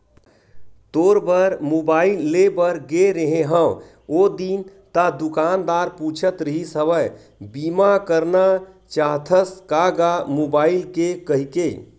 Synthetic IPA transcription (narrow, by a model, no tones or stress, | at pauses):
t̪oɾbəɾmobaːilːebəɾɡeɾəɦẽɦə̃w | od̪int̪ad̪ukaːnd̪aːɾput͡ʃʰət̪ɾəɦisəʋə | bimakəɾna | t͡ʃaɦt̪ʰəskaɡamobaːilkekəɦike